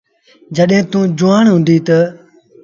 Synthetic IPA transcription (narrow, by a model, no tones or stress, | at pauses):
d͡ʒəɗɦẽːt̪ũːd͡ʒʊaːɳɦũːnd̪iːt̪ə